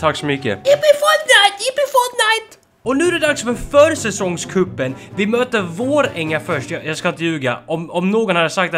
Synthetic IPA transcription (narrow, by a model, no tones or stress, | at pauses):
t̪ʰaksɔmʏkːə̰ɪpifɔd̪naɪt̪ɪpifɔd̪naɪt̪ | ɔnʉ̟ːæɾɛd̪aksfœɾfœɾsɛsɔŋskʰɵpːənvɪmøːt̪əvoːɾɛŋːafœʂʈjɑjaskaɪnt̪əjʉːɡa̰ɔmɔmnoːɡɔnhad̪əsak̚t̪